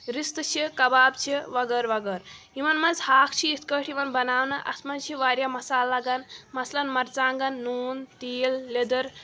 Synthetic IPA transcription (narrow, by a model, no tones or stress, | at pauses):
ɾist̪ɨt͡ʃʰikɐbaːbt͡ʃʰiʋɐɡəɾʋɐɡəɾɦimɐnmɐnzhaːkʰt͡ʃʰiːt̪ʰkəːʈʰimɐnbɐnaːwnɐʔɐ̰smɐnt͡ʃʰiʋaːɾjamɐsaːlːaɡanmɐslɐnmɐɾt͡saːŋɡɐnːuːnt̪iːlːed̪ɐɾ